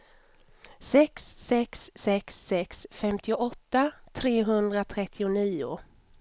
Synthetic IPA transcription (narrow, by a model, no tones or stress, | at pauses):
sɛksːɛksːɛksːɛksfɛmt̪ʰɪʊʔɔt̪ːat̪ʰɾeːɦɵnd̪ɾat̪ʰɾɛt̪ʰːɪʊniːʊ̰